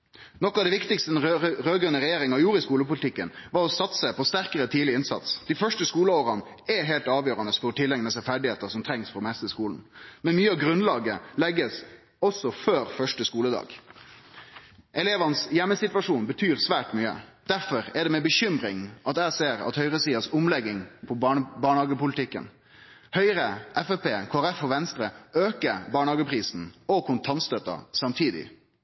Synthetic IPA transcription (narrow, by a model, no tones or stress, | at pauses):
nɔkːɑʋd̪ɛʋɪkt̪ɪkst̪əɛnɾøːɡʁʉnːəɾɛjeːɾɪŋɑjuːɾəɪskuːləpʊlɪt̪ʰɪkːənʋɑɾɔsɑt̪səpʰɔst̪æɾkəɾət̪ʰiːdlɪɪnsɑ̰t̪sd̪̥ɪfœʂʈəskuːləoːɾɑn | ɛɦeːlt̪ɑːʋjøːɾɑnəsfɔɾɔt̪ʰɪlːɛŋnəsɛfæɖɪheːt̪əʂɔmt̪ʰɾɛŋsfɔmɛst̪əskuːln̩mɛnmyːəɑʋɡɾʉnlɑːɡəlɛɡːəs | ɔsːɔføːɾfœʂʈəskuːləd̪ɑ̰ːɡ | ʔɛleːʋɑnəsjɛmːəsɪt̪ʋɑʂuːnbət̪ʰyːɾsʋæːʈmyːə̰d̪̥æfɔɾɛɖɛmɛbəɕʏmɾɪŋʔɑt̪æɪseːɾɑ̰t̪hœʏɾəsiːɑsʊmlɛɡːɪŋpʰɔbbɑːɳhɑːɡəpʊlt̪ʰɪkːə̰n | hœʏɾəʔɛfɛpeːkʰoːæɾɛfɔʋɛnst̪ɾəøːkəbɑːɳhɑːɡəpʰɾiːsn̩ɔkʰʊnt̪ʰɑnst̪œt̪ːɑ̰sɑmt̪ʰiːd̪ɪ̰